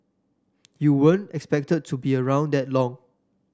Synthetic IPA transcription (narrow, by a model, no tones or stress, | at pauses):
juwə̃ntɛkspɛk̚təd̚tʰːubiəɹãʊ̃ndɛt̚lɔ̃ŋ